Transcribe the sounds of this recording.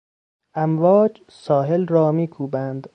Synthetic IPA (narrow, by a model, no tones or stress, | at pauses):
ʔæmvɒːd͡ʒ | sɒːɦelɾɒːmiːkʰuːbænd̪